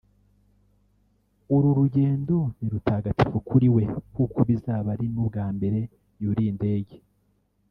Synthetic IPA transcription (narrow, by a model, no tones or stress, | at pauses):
uɾuɾuɟe̞ːndoniɾutʰaːɡati̥fukuɾiwe̞kukʰoβizaːβaɾinubɡaːmbe̞ɾe̞ | juɾiːnde̞ːɟe̞